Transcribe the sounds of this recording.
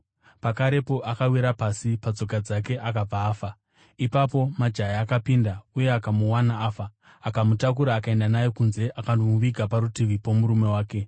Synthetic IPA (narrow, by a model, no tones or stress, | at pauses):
pakaɾe̞po̞ʔakawiɾapasipad͡zo̞kad͡zake̞ʔakab͡vaːfa | ipapo̞mad͡ʒajaakapindauje̞akamuwanaːfaː | kamutakuɾaːkae̞ndanajekunze̞ʔakandomuʋiɡʱapaɾutiʋipo̞muɾume̞waːke̞